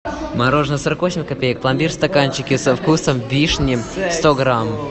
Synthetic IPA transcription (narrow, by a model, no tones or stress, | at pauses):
mɐɾoʐnəsoɾəkvosʲɪmʲkɐpʲejək̚plˠɐmʲbʲirst̪akanʲt͡ɕɪkʲɪsəfkusəmvʲiʂnʲɪmst̪oɡɾam